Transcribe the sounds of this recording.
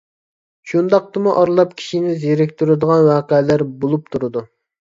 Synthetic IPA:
ʃund̪ɑq̚t̪ɨmuʔɑɾlˠɑpkʲʰi̥ʃinɪzjeɾɪkʲt̪ʰuɾɨd̪əʁɑnwɑːqəlæɾbolˠup̚t̪ʰuɾɨd̪u

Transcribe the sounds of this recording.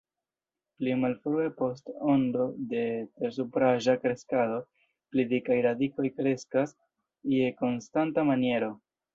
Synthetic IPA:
plimalfɾue̞po̞sto̞ndo̞de̞te̞ɾs̬upɾaʒakɾe̞skado̞ | plidikajɾadiko̞jkɾe̞skas | ie̞ko̞nstantamanije̞ɾo̞

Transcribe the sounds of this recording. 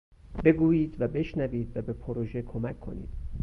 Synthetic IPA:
be̞ɡuːjiːd̪væbe̞ʃnæviːd̪væbe̞pʰoɾoʒekʰomæcʰːo̞̰nḭːd̪̥

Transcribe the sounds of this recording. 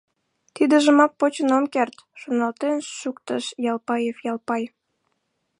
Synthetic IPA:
t̪id̪əʒəmɑk̚pot͡ɕənomkert̪ʃonɑlt̪enʃʃukt̪əʃjɑlpɑjefjɑlpɑj

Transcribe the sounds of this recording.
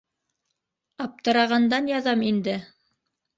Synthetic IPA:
ɑp̚t̪ɤ̆ɾɑʁɑnd̪ɑnjɑðɑmind̪ɘ

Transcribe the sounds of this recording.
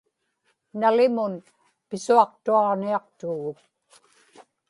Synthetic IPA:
nalɪmʊn | pɪsuɑq̚t̪uɑʁniɑq̚t̪uɣʊk̚

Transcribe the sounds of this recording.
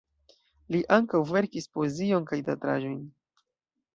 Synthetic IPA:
liʔaŋkawve̞ɾkispo̞ezio̞nkajdatɾa̰ʒo̞jn

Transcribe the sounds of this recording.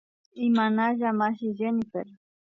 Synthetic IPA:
imanaʒamaʃiʒenifeɾ

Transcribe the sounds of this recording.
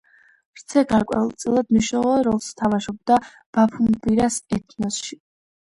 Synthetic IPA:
ɾ̥t̪sʰɛɡaɾkʼwɛ̰ulˠt̪sʼilˠad̪mniʃnɔlˠɔɾɔlˠst̪ʰamaʃɔb̚d̪a | b̥apʰumbiɾasɛt̪ʰnɔsʃi

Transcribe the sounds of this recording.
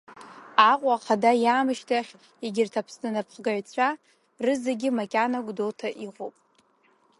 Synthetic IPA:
aqʷʼaχʰadajaːmɨʃtʰaχʲ | eɡʲɪrtʰapʰsnɨnapʰχɡaʕt͡sʷʰa | rɨzeɡʲɪmakʲʼanaɡʷʼdotʰaʔiʁʷupʼ

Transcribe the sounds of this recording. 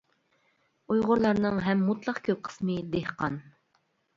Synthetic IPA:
ujʁʊɾlˠɑɾnɨŋɦɛmːut̪ʰlˠɑqkʲʰøp̚qʰə̥smɨd̪ehqʰɑn

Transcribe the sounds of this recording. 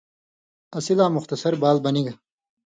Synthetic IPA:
ɐsilaːmʊxt̪ɐsɐɾbaːlbɐniɡɐ

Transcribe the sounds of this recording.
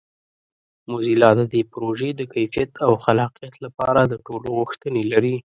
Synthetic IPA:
mozilɑd̪əd̪epɾoʒed̪əkajfijat̪ʰawxalɑqijat̪lapɑɾad̪əʈoloɣʊxt̪ənelaɾi

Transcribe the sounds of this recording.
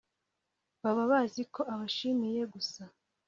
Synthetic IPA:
βaβaβazikʰo̞ʔaβaʃimije̞ɡusa

